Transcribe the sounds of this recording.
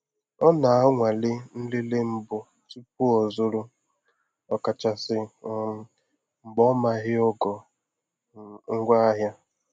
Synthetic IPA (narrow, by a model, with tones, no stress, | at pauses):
ɔ˦na˨a˦ŋʷa˨lɪ˦n̩˦lɪ˦le˦m̩˦bʊ˨ | tu˦p̚u˦ɔ˨zʊ˦ɾʊ˦ | ɔ˨ka˨t͡ʃa˨sɪ˨˦ | mŋ͡m̩˨ɡ͡bɔ˦ma˨ɦɪ˦ɔ˦ɡɔ˨ | ŋ̩˦ɡʷa˦a˦ɦja˦